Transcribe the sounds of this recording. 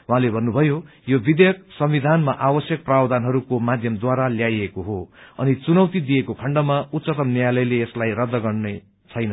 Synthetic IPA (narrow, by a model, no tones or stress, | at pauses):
wɦãlebʱʌnːubʱʌjo | jobid̪jʌk̚sʌmːid̪ʱanmaʔabʌsjʌk̚prawd̪anɦʌɾukomad̪ʱjʌmd̪waɾaljajekoɦoʌnit͡sunʌwt̪id̪ijekokʰʌɳɖʌmaut̪sʌt̪ʌmnjjalʌjleːslajrʌd̪ːʌɡʌrne | t͡sʰʌjnʌ